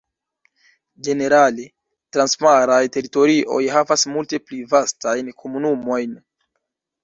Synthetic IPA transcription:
d͡ʒe̞ne̞ɾale | tɾanspaɾajte̞ɾito̞ɾiʔo̞̰jɦavasmulte̞plivastajnkʰo̞munumo̞jn

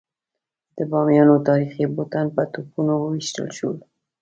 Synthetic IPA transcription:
d̪̥əbɑmjɑnot̪ɑɾixibot̪anpət̪upunowəwiʃt̪ə̰lʃul

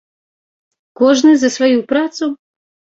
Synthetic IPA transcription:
koʒnezasʋojupɾat̪so

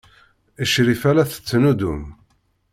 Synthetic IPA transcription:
əʃɾifælæθə̥t͡sːnud̪ṵm

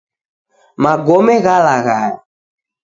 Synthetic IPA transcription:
mãɡɔmɛ̃ɣalaɣa

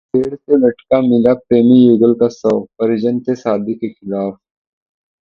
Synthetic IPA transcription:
t̪eːɽt̪enɐʈkamilapɾeːmijuːɡəlkasɐwpɐɾid͡ʒɐnt̪esaːd̪ikexɪlaːf

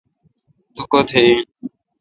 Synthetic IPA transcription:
t̪ʊkoːt̪ʰeĩː

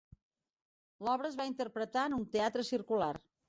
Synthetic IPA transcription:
lɔβɾəzβaint̪ərpɾət̪aənunt̪eat̪ɾəsirkular

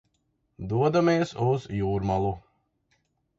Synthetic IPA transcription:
d̪uɔd̪amiɛsuzjuːɾmalˠu

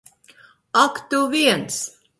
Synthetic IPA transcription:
akt̪uviɛns

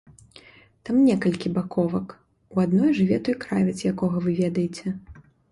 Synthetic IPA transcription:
t̪amnʲɛkɐlʲkʲibakʰɔvɐk | uad̪nɔjʐɨvʲɛt̪ɔjkɾavʲɛsʲjakɔɣɐvɨvʲɛd̪ɐjɪt͡sʲɛ

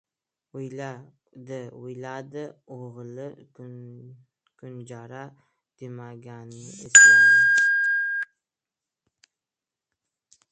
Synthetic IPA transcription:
ʊja | d̪ɪʊjlad̪ɪoʁlɪ | kʰʊnd͡ʒaɾa | d̪̥emaɡʲanɪɪesad̪ɪ

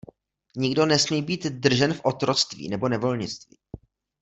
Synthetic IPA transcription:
ɲɪɡdo̞nɛsmiːbiːt̪dr̩ʒɛnfʔot̪ɾo̞t͡st̪vḭːnɛbo̞nɛvo̞lɲɪt͡st̪vḭː

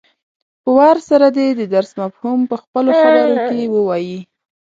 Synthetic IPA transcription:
pəwɑɾsaɾad̪ed̪əd̪aɾsmafhumpəxpəloxabəɾokewəwɑji

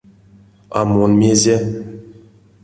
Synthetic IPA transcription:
a̰monmʲezʲe

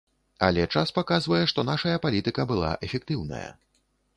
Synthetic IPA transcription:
ɐ̰lʲɛt͡ʂaspakazvɐjɛʂt̪ɔnaʂɐjɐpalʲit̪ɨkɐbɨlˠa̰ʔɛfʲɛk̚t̪ɨwnɐ̰jɐ̰

